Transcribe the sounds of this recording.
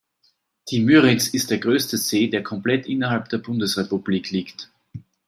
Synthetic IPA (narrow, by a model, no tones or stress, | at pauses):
d̥imyːʁɪt͡sɪst̚d̥eːɐɡʁøːstəzeːdeːɐkʰɔmplɛtʔɪnɐhalp̚d̥eːɐbʊndəsʁepub̥liːkʰliːkt